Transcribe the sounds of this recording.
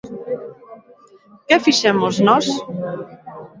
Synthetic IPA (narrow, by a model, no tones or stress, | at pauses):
kɛfiʃɛmoznɔs